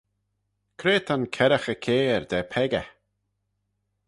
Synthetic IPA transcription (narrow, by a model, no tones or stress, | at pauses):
kʰɾeːt̪ʰankʰɛɾəxəkʰeːɹd̪ɛːpʰɛɡə̰